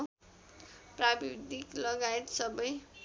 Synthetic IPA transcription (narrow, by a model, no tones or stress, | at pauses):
prabiwd̪iklʌɡaet̪sʌbʌj